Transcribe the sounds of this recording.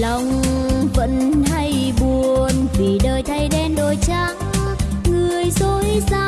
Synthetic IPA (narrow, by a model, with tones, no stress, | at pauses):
la˨˩wŋ͡mvə̰˧˥nha˧jɓu˨˩ənvi˨˩ɗəː˨˩jt̪ʰa˧jɗɛ˧nɗo˨˩jt͡ɕaː˧˥ | ŋɨ˨˩əjzo˧˦jsaː˧